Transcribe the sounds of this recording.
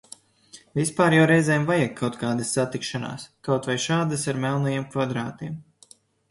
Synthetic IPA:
vʲispaːɾjawɾɛjzɛːmvajɛɡʰawt̪kaːd̪ɐsːat̪ikʃana̰ːskawt̪vajʃaːd̪asaɾmɛlˠnɐjeːmkvad̪ɾaːt̪iɛm

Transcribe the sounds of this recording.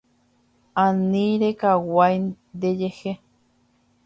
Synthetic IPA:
aniɾekawaj | d̪ejehe

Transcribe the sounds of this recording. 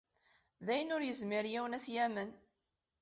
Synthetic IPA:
ðæjənʊɾjəzmɪɾjiwnæθjæmən

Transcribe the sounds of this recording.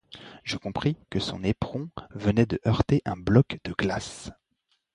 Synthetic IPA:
ʒəkɔ̃pχikəsɔ̰̃nepχɔ̃vənɛd̪əʔœʁt̪eʔɛ̃blɔkd̪̥əɡlas

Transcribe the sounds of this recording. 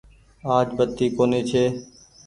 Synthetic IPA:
aːd͡ʒbət̪ːiːkoːneːt͡ʃʰeː

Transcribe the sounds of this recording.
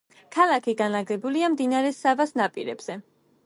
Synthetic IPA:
kʰalˠakʰiɡanaɡɛbuliamd̪inaɾɛsavasnapʼḭɾɛ̰b̥z̥ɛ

